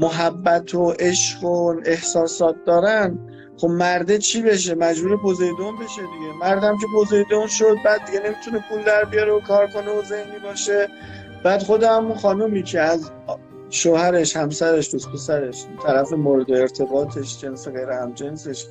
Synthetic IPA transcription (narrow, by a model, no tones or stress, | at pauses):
moɦæbːæt̪ʰoʔe̞ʃɢone̞hsɒːsɒːt̪̚d̪ɒːɾæn | χo̞bmæɾd̪et͡ʃʰibe̞ʃ̬e̞mæd͡ʒmuːɾebozejd̪onbe̞ʃe̞d̪iɟemæɾd̪æmcʰe̞bozejd̪onʃod̪̚bæːd̪̚ːiɟe̞ne̞mit̪ʰune̞pʰuːld̪æɾbijɒɾeokʰɒːɾkʰo̞neozehnibɒːʃe̞ | b̥æːd̪χo̞d̪ehæmunxɒːnumiːcʰe̞æz | ʃoːhæɾe̞ʃhæmsæɾe̞ʃd̪̥uspʰe̞sæɾeʃt̪ʰæɾæfe̞moːɾed̪eːɾt̪ʰe̞bɒːt̪ʰe̞ʃd͡ʒe̞nseɣe̞jɾehæmd͡ʒe̞nse̞ʃ